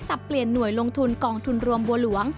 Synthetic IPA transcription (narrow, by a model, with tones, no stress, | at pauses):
sa˨˩pːli˨˩ənːu˨˩əjlo˧ŋt̪ʰu˧nkɔː˧ŋt̪ʰu˧nɾu˧əmbu˧əlu˩˦əŋ